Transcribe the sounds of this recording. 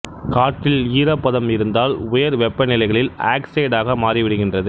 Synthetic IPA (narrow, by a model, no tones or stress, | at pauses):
kaːʈːɪliːɾɐpːɐðɐmɪɾɯnd̪aːlʊjɐɾʋɛpːɐnɪlɐɪɣɐɭɪla̰ːksɐɪɽaːɣɐmaːriʋɪɽɯɣɪndrɐðɯ